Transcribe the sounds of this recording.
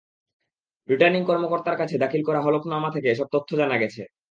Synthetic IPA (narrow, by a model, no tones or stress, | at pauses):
ɾiʈaɾniŋkɔɾmokoɾt̪aɾkat͡ɕʰed̪akʰilkɔɾaɦɔloknamat̪ʰekeeʃɔb̚t̪ot̪ʰːod͡ʑanaɡɛt͡ɕʰḛ